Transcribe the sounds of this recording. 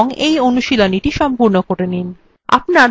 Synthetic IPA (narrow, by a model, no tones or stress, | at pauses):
ŋejonuʃiloniʈiʃɔmpuɾnokoɾenin | a̰pnaɾ